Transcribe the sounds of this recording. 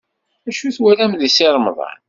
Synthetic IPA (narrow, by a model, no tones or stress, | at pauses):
æʃuθwælæmðisiɾˤəmðˤɑ̰n